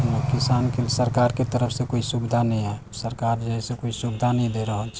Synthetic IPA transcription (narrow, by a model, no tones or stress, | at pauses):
nkɪsaːnkesəɾkaːɾket̪əɾəpʰsẽkoːisubɪd̪ʱanəɦĩae | səɾkaːɾd͡ʒəɦɛsekoːisubɪd̪ʱanəɦĩd̪eɾəɦot͡ʃʰ